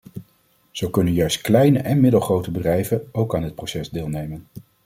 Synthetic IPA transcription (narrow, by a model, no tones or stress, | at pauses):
z̥owkɵnənjœɥstklɛjnəʔɛnmɪdəlˠχrowtəbədrɛjvənowkaːndɪt̚prowsɛzdɪːlˠnejmən